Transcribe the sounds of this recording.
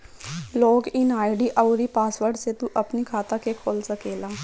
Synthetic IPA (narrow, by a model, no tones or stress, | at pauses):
loːɡɪnaːɪɖiːʔəʊɾiːpaːsʋəɾɖset̪uʔəpnikʰaːt̪aːkekʰoːlsəkeːlaː